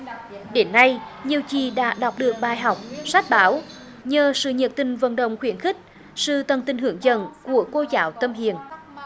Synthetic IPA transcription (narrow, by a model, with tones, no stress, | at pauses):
ɗe˨˦nːa˧j | ɲi˨˩əwt͡ɕi˨˩ɗa̰ː˧˥ɗa˨˩wk͡p̚ɗɨ˨˩ək̚ɓaː˧˨jɦa˨˩wk͡p̚sa˦˥k̚ɓaː˨˦w | ɲəː˨˩sɨ̰˧˨ɲə˨˩t̚t̪ï˨˩ŋ̟və̰˧˨nɗə̰˧˨wŋ͡mxwi˧˩ənxï˦˥k̚ | sɨ̰˧˨t̪ə˨˩nt̪ï˨˩ŋɦɨ˧˩əŋzə̰˧˨nku˧˩əko˧zaː˨˦wt̪ə˧mɦi˧˨ən